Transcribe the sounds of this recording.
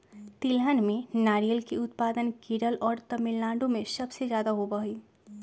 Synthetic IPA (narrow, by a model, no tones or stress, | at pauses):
t̪ɪlɦənmẽnaːɾijəlkiʊt̪paːd̪ənkiːɖəlʔɔːɾt̪ɐmɪllãːɳɖõmẽsɐbsezjaːd̪aɦobɐɦiː